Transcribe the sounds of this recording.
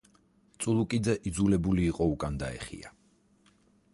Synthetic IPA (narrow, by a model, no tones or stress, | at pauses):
t̪sʼulˠukʼid̪zɛʔid̪zulɛbuliːqʼɔukʼand̪aɛ̰χḭa